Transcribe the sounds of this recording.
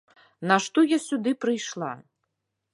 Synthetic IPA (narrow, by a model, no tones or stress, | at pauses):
naʂt̪ɔjasʲud̪ɨpɾɨjʂlˠa̰